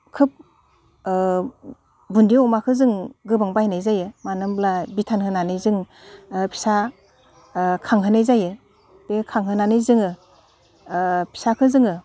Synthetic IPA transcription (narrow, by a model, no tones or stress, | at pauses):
kʰɯp̚ | bundiɔmakʰɯzɯŋɡɯbaŋbajnajzajɯmanɯmblabitʰanhɯnanɯjzɯŋ | pʰi̥sa | kʰaŋɦɯnajzajɯ | bekʰaŋɦɯnanɯjzɯŋɯ | pʰi̥sakʰɯzɯŋɯ